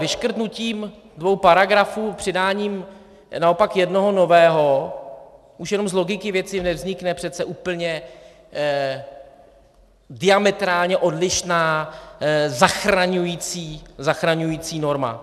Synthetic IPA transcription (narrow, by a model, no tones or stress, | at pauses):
vɪʃkr̩t̪nuciːm | dvo̞wpaɾaɡɾafuːpr̥ɪdaːɲiːm | nao̞pakjɛdno̞ɦo̞no̞vɛːɦo̞ | ʔuʃjɛno̞mzlo̞ɡɪkɪvjɛt͡sɪnɛvzɲɪknɛpr̝̥ɛt̪t͡sɛʔuːpl̩ɲɛ | dɪamɛt̪ɾaːlɲɛʔo̞dlɪʃnaː | zaxɾaɲujiːt͡siːzaxɾaɲujiːt͡siːno̞ɾma̰